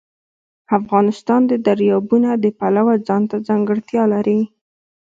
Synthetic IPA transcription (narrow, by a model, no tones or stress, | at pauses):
afɣɑnɪst̪ɑnd̪əd̪aɾjɑbunad̪əpalawad͡zɑnt̪ad͡zaŋɡəɽt̪jɑlaɾi